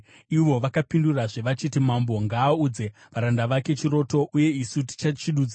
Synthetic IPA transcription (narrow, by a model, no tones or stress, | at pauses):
iʋo̞ʋakapinduraʐe̞ʋat͡ʃitimambo̞ŋɡaːud͡ze̞ | ʋaɾandaʋake̞t͡ʃiɾo̞to̞ʔuje̞isuti̥t͡ʃat͡ʃiɗud͡zi